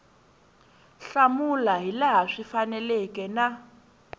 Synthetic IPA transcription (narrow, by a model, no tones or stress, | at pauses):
ɬamulaɦilaɦaʂifanɛlɛkʼɛna